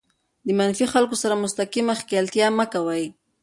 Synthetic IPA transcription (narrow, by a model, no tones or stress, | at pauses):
d̪əmanfixalkosaɾamʊst̪akimaxkalt̪jɑməkawaj